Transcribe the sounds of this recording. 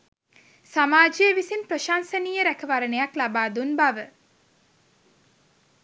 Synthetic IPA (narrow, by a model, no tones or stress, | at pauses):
samaːd͡ʒijəʋisinpɾoʃaːnsəniːjəɾækəʋaɾənejaklabaːd̪unbaʋə